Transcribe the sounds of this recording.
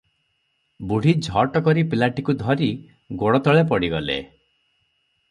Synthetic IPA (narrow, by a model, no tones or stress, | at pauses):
buɽ̤id͡ʒʱɔʈɔkɔɾipilaʈikud̪ʱɔɾi | ɡoɽɔt̪ɔɭepɔɽiɡɔlḛ